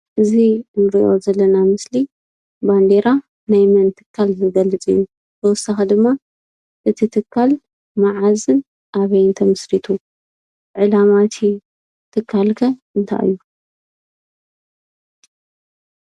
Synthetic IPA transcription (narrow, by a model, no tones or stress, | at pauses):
ʔɨzinɨɾiʔo̞̰zɐlːɐnamɨsli | band̪eɾa | najmɐnt̪ʰɨ̥kʰːalzɨɡɐlɨt͡sʼɨ̰jːu | tɐwʊsaxɐd̪ɨmːa | ʔɨt̪ʰit̪ʰɨkʰːal | maʕazɨn | ʔaβɐjnt̪ʰɐmɐsɾit̪ʰu | ʕɨlamat̪ʰi | t̪ʰɨkʰːalkʰɐʔɨnt̪ʰa̰ʔɨ̰jːu